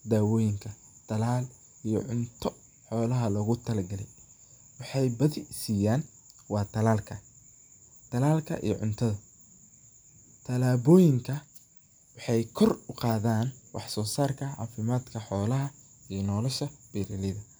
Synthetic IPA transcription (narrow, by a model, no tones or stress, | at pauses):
d̪aːwɔːjɪŋkʰɐ | t̪ʰɐlaːl | ijɔʕʊnt̪ʰɔ | ħɔːlɐɦɐlɐɣʊt̪ʰɐlɐɡɐlɛ̰j | wɑħɑjbɐðɪsiːjaːn | wɑːt̪ʰɐlaːlkʰɐ | t̪ʰɐlaːlkʰɐ̰ʔḭjɔ̰ʕʊ̰nt̪ʰɐðɐ | t̪ʰɐlaːβɔːjɪŋkʰɐ | wɑħɑjkʰɔrʊqɑːðaːnwɑ̰ħsɔːsaːrkʰɐʕɑ̰ːfɪmaːd̪kʰɐħɔːlɐɦɐ | ijnɔːlɔʃɐb̥iɾɪlɪðɐ